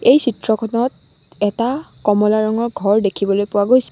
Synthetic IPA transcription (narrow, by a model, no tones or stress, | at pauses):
ejsitɹɔkʰɔnɔt̚ | ɛtakɔmɔlaɹɔŋɔɹɡʱɔɹdekʰibɔlojpʊwaɡojsɛ̥